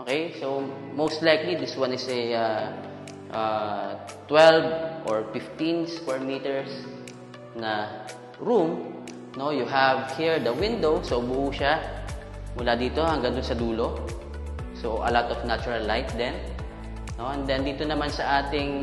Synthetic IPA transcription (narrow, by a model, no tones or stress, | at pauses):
ʔokejsow | mowst̪lajklid̪ɪswãnɪsɛa | ʔa | t̪wɛlvʔoɹfɪft̪ĩnskwɛɹmiːt̪ɛɹs | nɐ | ɹum | no̞jʊɦɐvhiɹd̪ɐwɪ̃nd̪owsowbʊʔuːʃa | mʊlad̪iːt̪o̞hɐŋɡaŋd̪ʊnsɐd̪uːlo̞ | soʔɐ̰lot̪ɔfnat͡ʃʊɹɐlːajt̪̚d̪ɛn | no̞ʔɛnd̪ɛnd̪iːt̪onɐmansɐʔaːt̪ɪŋ